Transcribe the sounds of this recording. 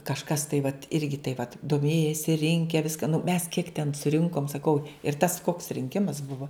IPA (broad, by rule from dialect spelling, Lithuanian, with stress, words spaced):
kɐʃˈkɐs tɐɪ ʋɐt ˈɪrʲɡʲɪ tɐɪ ʋɐt doːˈmʲeːjɛsʲɪ ˈrʲɪŋʲkʲɛ ˈʋʲɪskɐ nʊ mʲɛs kʲiɛk tʲɛn sʊˈrʲɪŋkoːm sɐˈkɐʊ ɪr tɐs koːks rʲɪŋʲˈkʲɪmɐs ˈbʊʋoː